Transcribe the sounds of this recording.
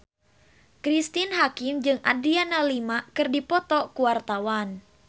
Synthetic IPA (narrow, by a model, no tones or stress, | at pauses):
kɾist̪inɦakɪmd͡ʒɨŋʔa̰dianalimakɨrdipɔt̪ɔkuart̪awan